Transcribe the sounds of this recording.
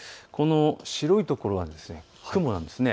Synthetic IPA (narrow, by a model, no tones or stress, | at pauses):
kʰo̞no̞ɕiɾo̞it̪o̞ko̞ɾo̞βad̪esɨne̞ | hakɯ̟mo̞nã̰nd̪e̞sɨne